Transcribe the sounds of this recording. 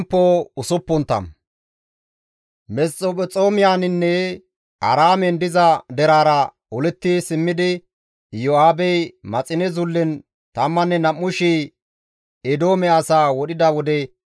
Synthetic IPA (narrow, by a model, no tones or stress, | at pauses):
mpːoːʊsʊpːʊnt̪ːɐ̰m | mɛst͡sʼopɔt͡sʼoːmɪjaːnɪnːɛ | ɐ̰ɾaːmɛnd̪ɪzɐd̪ɛɾaːɾɐ | ɔlɛt̪ːɪsɪmːɪd̪ɪ | jɔaːbɛjmɐt͡sʼɪnɛzʊlːɪn | t̪ɐmːɐnːɛnɐmːʊʃi | ɛd̪o̞ːmɛɐsaːwɔɗɪd̪ɐwɔd̪ɛ